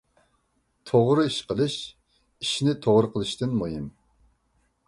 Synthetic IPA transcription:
t̪ʰoʁɾɨiʃqəlˠɨʃ | iʃnɪt̪ʰoʁɾɨqʰəlˠɨʃt̪ɨnmojim

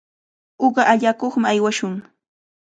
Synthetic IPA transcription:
oɢɑʔaʎakoχmaajwaʃʊŋ

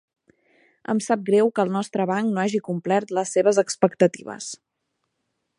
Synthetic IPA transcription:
ə̰msap̚ɡɾɛwkəːlˠnɔst̪ɾəβaŋknoaʒikumplɛrt̪ləsːeβəzəkspəkt̪ət̪iβə̰s

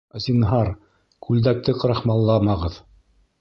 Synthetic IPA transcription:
zinɦɑɾ | kʰʉld̪æk̚t̪ɘqɾɑχmɑlˠːɑmɑʁɤð

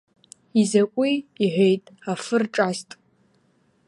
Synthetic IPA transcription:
izakʷʼiːħʷejtʼafɨrʈ͡ʂʼastʼ

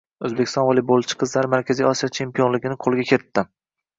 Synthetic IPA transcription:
ɵzbekʲɪ̥st̪ɒnvɒlˠibolˠt͡ʃʰɪ̥qʰɨzlaɾɪmaɾkʲʰazijɒsijat͡ʃʰe̞mpijonlɪɡʲɪnɪqʰolˠɡʲakʲʰe̞ɾt̪ʰːɪ

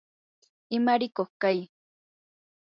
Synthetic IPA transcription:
ɪmaɾɪkoχkaj

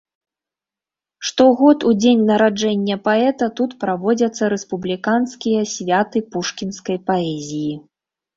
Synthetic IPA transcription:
ʂt̪ɔɣɔt̪ud͡zʲenʲnɐɾad͡ʐɛnʲːɐpaɛt̪ɐt̪ut̪pɾavɔd͡zʲɐt̪sːɐɾɛspublʲikanskʲijɐsʲvʲat̪ɨpuʂkʲinskɐjpaɛzʲiji

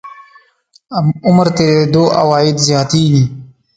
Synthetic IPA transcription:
ʊməɾt̪eed̪oːʔa̰waːɪd̪zjɑːt̪iɡi

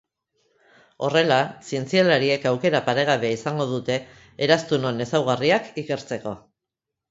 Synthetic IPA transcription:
o̞re̞lasie̞nt͡sialaɾie̞kawke̞ɾapaɾe̞ɣ̞aβe̞isaŋɡo̞ð̞ut̪e̞ː | ɾast̪uno̞ne̞sawɣ̞ariakike̞ɾt͡se̞ko̞

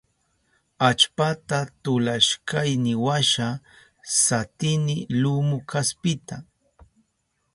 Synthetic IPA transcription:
at͡ʃpat̪at̪ʊlaʃkajnɪwaʃa | sat̪ɪnɪlʊmʊkʰaspɪt̪a

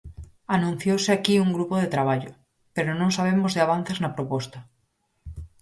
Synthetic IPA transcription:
anũn̟θjowseakiuŋɡɾupoð̞et̪ɾaβ̞aʎo | peɾonõŋsaβ̞emozðeaβ̞an̟θeznapɾopɔst̪a

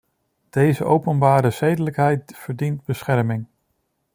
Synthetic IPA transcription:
d̥ejzə̰ʔowpənbaːɾəsejdələkɦɛjtvəɹdint̚bəsχɛɹmɪŋ

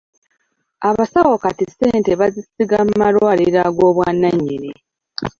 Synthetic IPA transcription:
aβasawokatiseːnteβazisiɡamːaɾwaːliɾaɡo̞ːβwaːnaɲːini

